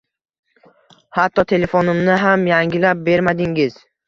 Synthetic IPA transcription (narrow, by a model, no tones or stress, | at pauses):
hat̪ʰːɒt̪ʰe̞le̞fonɪmnɪɦamjaŋɡʲɪlap̚be̞ɾmad̪ɪŋɪz̥